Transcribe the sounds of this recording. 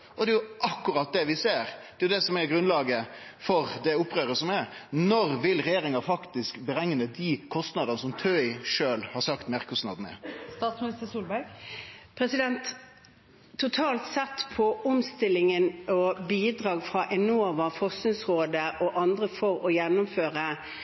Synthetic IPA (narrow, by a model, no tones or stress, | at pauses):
ʔɔd̪ɛjʊʔɑkːʊɾɑt̪̚d̪ɛʋɪseːɾd̪̥ɛjʊd̪ɛsɔmɛɾɡɾʉnlɑːɡəfɔɾd̪ɛʊpːʁøːɾəsɔmɛɾnɔɾʋɪlɾɛjeːɾɪŋɑfɑkt̪ɪskbɾɛŋːnəd̪ikʰɔst̪nɑd̪ənəsɔmt̪ʰœɪʂøːlhɑɾsɑkt̪mɛʁkʰɔst̪nɑ̰d̪n̩ə̰st̪ɑːt̪smɪnɪst̪əsuːlbæɾɡpʰɾɛsɪd̪ɛnt̪ | ʊt̪ʰɑːlt̪sɛt̪ːpʰɔɔmst̪ɪlːɪŋənɔbiːd̪ʁɑːɡfʁɑʔɛnuɔʋɑfɔsnɪsʁoːd̪əʔɔʔɑnd̪ʁəfɔɾɔjɛnːʊmføːʁə